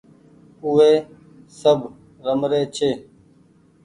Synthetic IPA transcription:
uʋeː | səbʱ | ɾəmɾeːt͡ʃʰeː

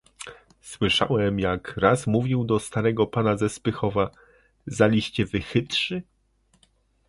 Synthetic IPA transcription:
swɘʂa̰wɛmjakɾasmuvʲiwd̪ɔst̪aɾɛɡɔpanazɛspɘxɔva | zalʲiɕt͡ɕɛvɘxɘt̪ʂɘ

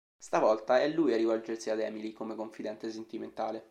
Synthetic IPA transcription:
st̪avɔlt̪aɛlːujarːivɔld͡ʒersiad̪ɛːmilikomekoɱfid̪ɛnt̪esent̪iment̪aːle

